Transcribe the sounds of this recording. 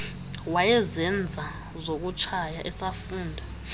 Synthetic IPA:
wajɛzɛnd͡zʱa | zok̬ʼut͡ʃʰajaʔɛsafuːndʱa

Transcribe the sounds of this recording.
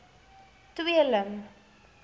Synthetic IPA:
t̪wiələm

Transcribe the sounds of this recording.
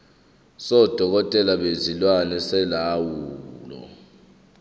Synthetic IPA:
sɔd̥ʱɔk̬ɔtʼɛlaɓezilwanɛsɛlawuːlɔ̰

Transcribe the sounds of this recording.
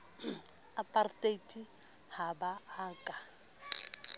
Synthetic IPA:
apʼartʼetʼi | habaːkʼa

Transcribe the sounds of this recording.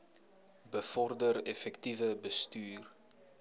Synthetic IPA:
bəfɔrdəɾɛfɛktivəbəstyːr

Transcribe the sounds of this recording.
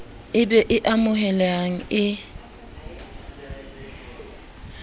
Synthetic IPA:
ɪbɛʔɪʔamʊɦɛlɛaŋ̩ɪ

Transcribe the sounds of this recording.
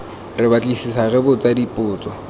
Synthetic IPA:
rɪbat͡ɬʼisisaɣɪbʊt͡sadipʼʊːt͡sʼɔ

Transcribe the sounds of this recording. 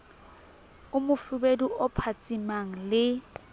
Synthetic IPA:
ʊmʊfʊbeduʔɔpʰat͡sʼimaŋ̩lɪ

